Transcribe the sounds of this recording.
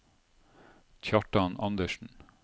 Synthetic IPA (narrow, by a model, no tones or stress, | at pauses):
t̪ʰɑʈɑnɑnd̪əʃn̩